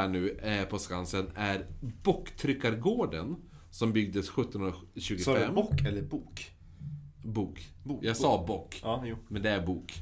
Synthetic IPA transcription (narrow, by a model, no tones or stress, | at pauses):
æːɳʉ̟ːpʰɔskansənæɾbɔkːt̪ʰɾʏkːaɾɡoːɖən | sɔmbʏɡ̚d̪əsɧɵt̪ːɔnhɵnɾɕʉ̟ːɡʊsfɛmːkːɛlːəɾbuːk | buːkː | jɑɡsɑːbɔkːmɛnd̪ɛæɾbuːk